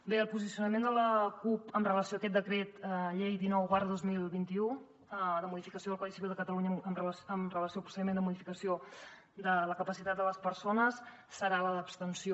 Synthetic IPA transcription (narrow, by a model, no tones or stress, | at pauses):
beəlˠpuzisiunəmend̪ələkupəmrələsioəkɛt̪̚d̪əkɾet̪əʎejðinɔwɣaɾðozmilˠβint̪iu | əd̪əmuðifikəsioðlˠkwaðisiβilˠd̪əkət̪əluɲəəmrəsəmrələsiopɾu̥səðimend̪əmuðifikəsio | d̪ələkəpəsit̪at̪̚d̪ələspəɾsonəs | səɾaləðəːpst̪ənsio